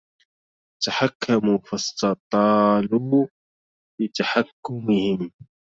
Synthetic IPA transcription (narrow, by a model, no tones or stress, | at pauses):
t̪aħakʰːamufɑst̪ɑt̪ˤɑːluː | bɪt̪aħakːʊmɪhɪm